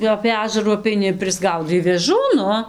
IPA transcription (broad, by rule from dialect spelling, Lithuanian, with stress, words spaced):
jɛʊ ɐpʲeː ˈɑːʒɐruː ɐpʲɛɪˈnʲɪ ɪr pʲrʲɪzˈɡɐʊdɐɪ ʋʲeːˈʒuː ˈnʊ